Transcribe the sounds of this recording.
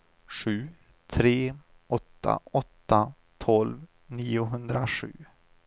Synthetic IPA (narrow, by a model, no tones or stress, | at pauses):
ɧʉ̟ː | t̪ʰɾeː | ʔɔt̪ʰːa̰ɔt̪ːa | t̪ʰɔlv | niːʊɦɵnd̪ɾaʂʉ̟ː